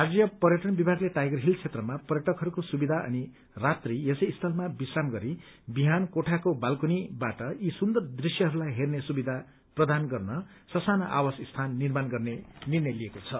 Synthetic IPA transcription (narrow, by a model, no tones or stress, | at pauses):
ɦad͡zjʌpʌrjʌʈʌnbibʱaɡleʈajɡʌrɦilt͡sʰet̪rʌmapʌrjʌʈʌkɦʌɾukosubid̪ʱaʌ̰ni | rat̪rijesʌjːst̪ʰʌlmabisramɡʌɾi | biɦankoʈʰakobalkunibaʈʌisund̪ʌrd̪risjʌɦʌɾulajɦernesubid̪ʱa | prʌd̪ʱanɡʌrnʌ | sʌsanaʔa̰wʌsist̪ʰanːirmanɡʌrnenirnʌjliekot͡sʰʌ